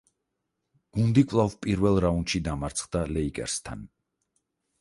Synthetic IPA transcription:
ɡ̥und̪ikʼvlˠavpʼiɾvɛlˠɾaunʃid̪amaɾt̪sʰχd̪alɛikʼɛ̰ɾst̪ʰa̰n

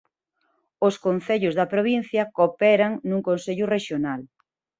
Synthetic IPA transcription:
oskon̟θeʎʊzðɐpɾoβ̞in̟θjɐkopɛɾɐŋnuŋkonseʎʊreʃjonal

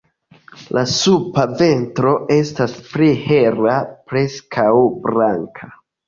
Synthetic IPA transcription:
lʔasupave̞ntɾo̞e̞stasplihe̞rapɾe̞skʰawbɾaŋkʰa

